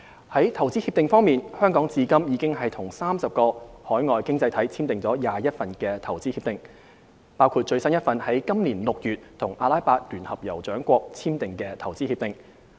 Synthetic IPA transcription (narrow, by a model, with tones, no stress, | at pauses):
hɐ˨˥jt̪ʰɐ˨˩wt͡si˥hi˧p̚t̪ɪ˨ŋfɔː˥ŋmiː˨nhœː˥ŋkɔː˨˥ŋt͡siː˧kɐ˥mjiː˨˧kɪ˥ŋɦɐ˨jt̪ʰʊ˨˩ŋsaː˥msɐ˨p̚kɔː˧hɔː˨˥jŋɔː˨jkɪ˥ŋt͡sɐ˧jt̪ʰɐ˨˥jt͡sʰiː˥mt̪ɪ˨ŋt͡sɔː˨˥jaː˨jɐ˥t̚fɐ˨nkɛː˧t̪ʰɐ˨˩wt͡siː˥hi˧p̚t̪ɪ˨˩ŋ | paː˥wkʰuː˧t̚t͡ʃɵ˧ɥsɐ˥njɐ˥t̚fɐ˨nhɐ˨˥jkɐ˥mliː˨˩nlʊ˨k̚jyː˨˩t̚t̪ʰʊ˨˩ŋʔaː˧laː˥jpaː˧t̚lyː˨˩nhɐ˨p̚jɐ˨˩wt͡ʃœː˨˥ŋkʷɔː˧k̚t͡sʰiː˥mt̪ɪ˨ŋkɛː˧t̪ʰɐ˨˩wt͡siː˥hiː˧p̚t̪ɪ˨ŋ